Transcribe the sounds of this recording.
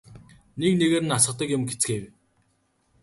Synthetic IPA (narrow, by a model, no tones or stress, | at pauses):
nekneɣeːɾɘ̆nasə̆t̪ə̆kjʊmɡet͡sxeːwʲ